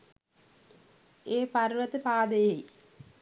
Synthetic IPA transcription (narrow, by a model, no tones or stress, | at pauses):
eːpɐrʋɐt̪ɨpaːd̪ɐjɐj